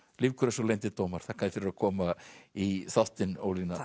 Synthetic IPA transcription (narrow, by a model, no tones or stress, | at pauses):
lɪvkʰʏɾasowlejnt̪ɪt̪oːwmaɾ̥θakʰaðɪfɪɾɪɾakʰɔːmaiθawt̪ɪno̰wlina